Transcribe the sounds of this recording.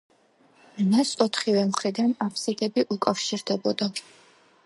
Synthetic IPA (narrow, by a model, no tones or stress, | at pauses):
nasʼɔt̪ʰχivɛmχɾid̪anapʰsid̪ɛbiʔukʼafʃiɾd̪ɛbɔd̪a